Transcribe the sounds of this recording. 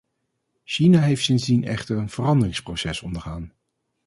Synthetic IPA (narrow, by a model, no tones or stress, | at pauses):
ʃinaɦejftsɪnzdinɛ̰χtərənv̥ərɑndərɪŋsprowsɛsɔndəɹχaːn